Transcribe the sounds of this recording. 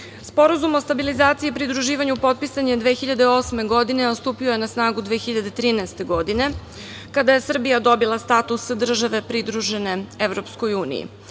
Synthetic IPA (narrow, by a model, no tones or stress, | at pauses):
spo̞ɾazumo̞st̪abilizaːt̪siipɾid̪ɾuʒiːʋaɲupo̞t̪̚pisaɲed̪ʋe̞xiʎad̪eo̞sme̞ɡo̞d̪ine̞ost̪uːpioje̞nasnaːɡud̪ʋexiʎad̪et̪ɾiːnast̪e̞ɡo̞d̪ine̞ | kad̪aje̞sr̩bijad̪o̞bilˠast̪at̪usd̪r̩ʒaʋe̞pɾid̪ɾuʒe̞ne̞eʋɾo̞psko̞juːnḭjḭ